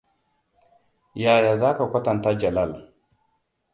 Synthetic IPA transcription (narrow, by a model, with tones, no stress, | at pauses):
jaː˨jaː˨zaː˦ka˨kʷɐ˦tɐ˨ntaː˦d͡ʒɐ˨lɐ˦˨l